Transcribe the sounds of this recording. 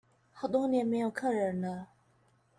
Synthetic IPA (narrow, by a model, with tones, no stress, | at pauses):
xa˨˩ʊt̪wɔ˥njɛ˧˥nme˧˥jo˧˩ʊkʰə˥˩˨ɻə˨˥nə˧